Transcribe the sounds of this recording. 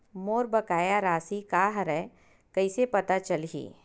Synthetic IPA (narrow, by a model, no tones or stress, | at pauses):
moːɾbɐkaːjaɾaːsikaːɦɾɛ | kɐisepɐt̪at͡ʃəlɦḭː